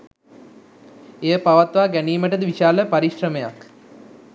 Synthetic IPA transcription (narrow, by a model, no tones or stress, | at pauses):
ejəpaʋat̪ʋaːɡæniːməʈəd̪əʋiʃaːləpaɾiɕrəmeja̰k